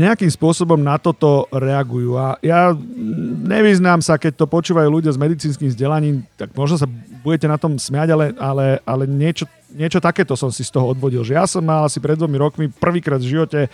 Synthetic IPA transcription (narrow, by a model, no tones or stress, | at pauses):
ɲɛakiːmspʊɔsɔbɔmnat̪ɔt̪ɔɾɛaɡujuːaja | ɲɛʋiznaːmsakɛc̚t̪ɔpɔt͡ʃuːʋajuːluɟɪazmɛd̪it͡siːnskiːmvzɟɛlaɲiːmt̪aɡmɔʒnɔs̬abuɟɛcɛnat̪ɔmsmaɟalɛalɛalɛɲɪɛt͡ʃɔ | ɲɪɛt͡ʃɔt̪akɛːt̪ɔsɔmsist̪ɔɦɔɔd̪ʋɔɟilʒɛjasɔmːalasipɾɛd̪ʋɔmiɾɔkmipr̩ʋiːkɾaːd̪vʒiʋɔcɛ